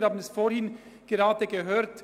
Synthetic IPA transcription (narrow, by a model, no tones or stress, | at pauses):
haːbənɛsfoːɾhɪn | ɡ̥əʁɑːdəɡəɦøːɾt